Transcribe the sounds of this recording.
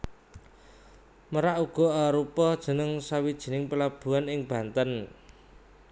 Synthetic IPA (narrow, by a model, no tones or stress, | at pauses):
məɾaʔuɡ̥ɔ̤aɾupɔd̥ʒ̥ə̤nəŋsawid̥ʒ̥i̤nɪŋpəlab̥ṳanɪŋb̥a̤nt̪ən